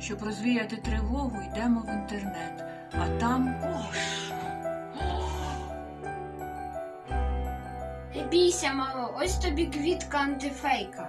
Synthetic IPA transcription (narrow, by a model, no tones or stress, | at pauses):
ʃt͡ʃɔbɾɔzʋʲijat̪ɪt̪ɾɪɦɔʋʊjd̪ɛmɔʋint̪ernɛt̪ | ɐt̪ɑmɔʃ | ebʲijsʲɐmɑlˠɔʔɔsʲt̪ɔbʲiɡʋʲit̪kɐɐnt̪ɪfɛjkɐ